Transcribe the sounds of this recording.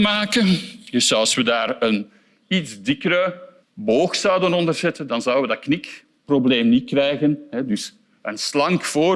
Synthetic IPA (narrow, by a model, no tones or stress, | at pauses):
maːkədɵsɑlˠswədaːrən | idzdɪkəɾə | boːxsɑwdənɔndərzɛtəndɑnzɑwəʋədɑknɪk | probleːmnit̚krɛjɣənɦɛdʏs | ənslɑŋkfoː